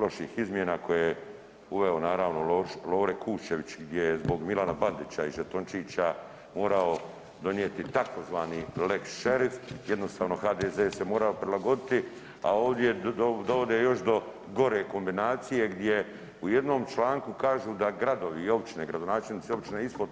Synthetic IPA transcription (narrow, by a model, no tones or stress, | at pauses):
loʃiːxizmjenako̞jeje | uʋe̞onaːɾaːʋno̞lolo̞ːɾekʰuːʃe̞ʋit͡ɕɡd̪jejezbo̞ɡmilanaband̪it͡ɕaiʒet̪ont͡ʃiːt͡ɕa | mo̞ːɾao | d̪o̞njet̪it̪ako̞zʋaːnileksʃeɾifje̞d̪no̞st̪aːʋno̞xaːd̪ezeːsemoːɾaopɾilaɡo̞d̪it̪i | a̰o̞ːʋd̪jed̪o̞ʋo̞d̪eːjo̞ʃd̪o̞ | ɡo̞ɾeːko̞mbinaːt̪sije̞ɡd̪je̞ | uje̞d̪no̞ːmt͡ʃlaːŋkukaːʒuːd̪aɡɾad̪o̞ʋiːo̞pt͡ʃineɡɾad̪onaːt͡ʃelnit̪seo̞bt͡ʃineispod̪